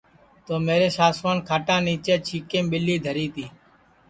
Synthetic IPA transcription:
t̪oːmeːɾeːsaːsʋaːnkʰaːʈãːniːt͡ʃeːt͡ʃʰiːkẽːmɓɪlːiːd̪ʱəɾiːt̪iː

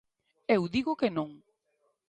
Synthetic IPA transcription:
ewðiɣʊkenõŋ

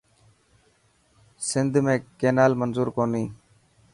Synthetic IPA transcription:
sɪnd̪ʱmẽːkeːnaːlmənzuːɾkoːniː

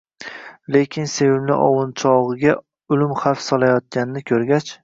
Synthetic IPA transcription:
le̞kʲʰɪnse̞vɪmnɪ̰ʔɒwɨnt͡ʃʰɒʁɨɡʲa | ʊlɪmχafsɒlˠajɒt̪̚kʲanɪnɪkʲʰɵɾɡʲat͡ʃ

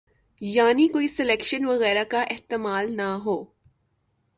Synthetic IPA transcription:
jaːnikoːisɪlɛːkʃənʋɐɣɛːɾakaʔɪɦt̪ɪmaːlnaɦoː

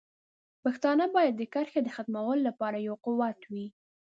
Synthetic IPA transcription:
paxt̪ɑnəbɑjad̪ːəkaɾxed̪əxat̪mawəlolapɑɾajawqʊwat̪wi

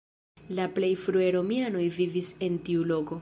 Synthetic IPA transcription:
laple̞jfɾue̞ɾo̞miano̞jvivise̞ntiulo̞ko̞

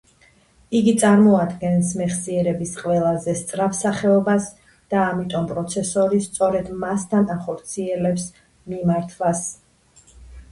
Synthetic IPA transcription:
iɡit̪sʼaɾmɔad̪ɡɛnsmɛχsiɛɾɛbisqʼwɛlˠazɛst̪sʼɾapsaχɛɔbas | d̪̥aːmit̪ʼɔmpʼɾɔt̪sʰɛsɔɾist̪sʼɔɾɛd̪mast̪ʰanaχɔɾt̪sʰiɛlɛps | mimaɾt̪ʰvas

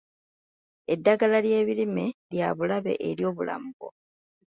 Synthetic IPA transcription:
e̞dːaɡalalje̞ːβilime̞ljaβulaβe̞̰ʔeɾjo̞ːβula̰muɡo̞̰

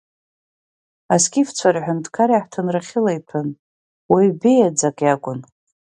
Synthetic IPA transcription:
askʲʼift͡sʷʰarħʷᶣʊndkʰaɾiħtʰɨnraχʲɪlejtʰɨn | wibejad͡zakʼjakʷʼʊn

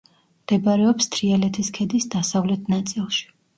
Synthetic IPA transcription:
md̪̥ɛbɾɛɔpst̪ʰɾialɛt̪ʰiskʰɛd̪isd̪asavlɛt̪ʰnat̪sʼilˠʃi̥

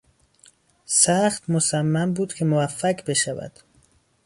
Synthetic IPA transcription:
sæxt̪mosæmːæmbuːd̪̥kʰe̞movæfːækʰbe̞ʃævæ̰d̪̥

